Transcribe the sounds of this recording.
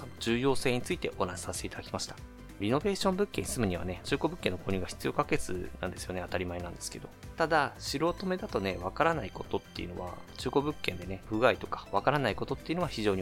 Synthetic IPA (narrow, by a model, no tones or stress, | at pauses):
sonod͡ʑɨːjo̞ːse̞ːɲ̟it͡sɨit̪e̞ʔo̞naɕi̥saɕe̥t̪eit̪ad̪akʲimaɕi̥t̪ḁ | ɾʲino̞be̞ːɕõ̞mbɯ̟kːẽ̞ɲisɨmɯ̟ɲ̟iβ̞a̰ne̞t͡ɕɨːko̞bɯ̟kːẽ̞nːoko̞ːɲʲɨːɡaçʲi̥t͡sɨijo̞kake̞t͡sɨ̰nã̰nd̪e̞sɨjo̞ne̞at̪aɾʲimaenãnd̪esɨ̥ke̞d̪o̞̰t̪ad̪aɕiɾo̞t̪o̞me̞d̪at̪o̞ne̞βakaɾanaiko̞t̪o̞t̪ːe̞̰iɯ̟no̞̰βa̰t͡ɕɨːko̞bɯ̟kːẽ̞nd̪e̞ne̞ɸɯ̟ɡait̪o̞̥kḁβakaɾanaiko̞t̪o̞t̪ːe̞iɯ̟noaçiʑo̞ːɲi